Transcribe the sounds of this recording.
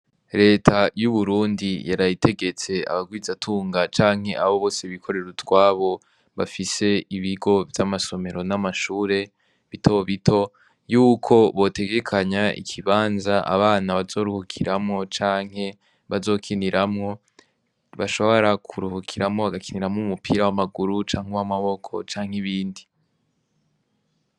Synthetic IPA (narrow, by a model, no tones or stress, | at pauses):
ɾe̞ːtʰajuβuɾuːndijaɾajite̞ɡe̞t͡se̞a̰βaɡwiːzatʰuːŋɡat͡ʃaːŋhe̞ʔaβo̞βo̞ːseβikʰo̞ɾeɾutwaːβo̞ | βafise̞iβiɡo̞vjamaso̞me̞ɾo̞namaʃuːɾe̞ | βitʰo̞βitʰo̞ | juːkʰo̞βo̞te̞ɡe̞kʰaɲaʔḭkʰiβaːnzaʔa̰βaːnaβazo̞ːɾuhukʰiɾamŋo̞t͡ʃaːŋ̥he̞ | βazo̞ːkʰiniɾʔamŋo̞ | βaʃo̞βoɾakʰuɾuhukʰiɾamŋo̞βaɡakʰiniɾamumupʰiɾawamaɡuɾut͡ʃaːŋ̥ewamaβo̞kʰo̞̰t͡ʃaːŋ̥ɦiβiːndi